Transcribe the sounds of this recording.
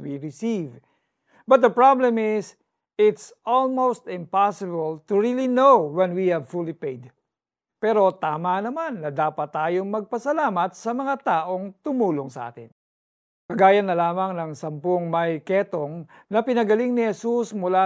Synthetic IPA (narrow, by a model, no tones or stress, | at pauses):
wiɹɪsiv | bɐt̪̚d̪ɐpɹablɛmɪs | ɪt̪sʔɔlmowst̪ɪ̃mpasɪbɐlt̪ʊɹilinowwɛnwihɛvfulipejd̪ | pɛɾo̞t̪aːmanɐmanːɐd̪aːpɐt̪ːaːjoŋmɐɡ̚pɐsɐlaːmɐt̪sɐmɐŋat̪aːʔo̞ŋt̪ʊmuːloŋsɐʔa̰ːt̪ɪ̰n | kɐɡaːjɐnːɐlaːmɐŋnɐŋsɐmpoŋmɐjkɛt̪oŋ | nɐpɪnɐɡɐlɪŋnɪhɛsusmʊla